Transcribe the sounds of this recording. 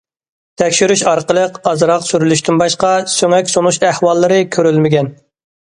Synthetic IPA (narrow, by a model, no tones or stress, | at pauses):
t̪ʰɛkʲʃyɾyʃɑɾqəlˠəqɑzɾɑqsyɾylyʃt̪ynbɑʃqɑsøŋɛkʲsonuʃæhwɑlˠːɨɾɨkʲʰøɾylmɪɡʲɛn